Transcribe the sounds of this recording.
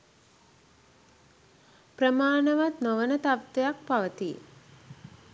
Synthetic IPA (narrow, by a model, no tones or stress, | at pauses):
prəmaːnəʋat̪noʋənət̪aʋt̪ejak̚paʋət̪i